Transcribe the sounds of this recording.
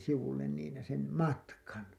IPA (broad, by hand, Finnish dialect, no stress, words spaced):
siʋulːen niːn sem mɑtkɑn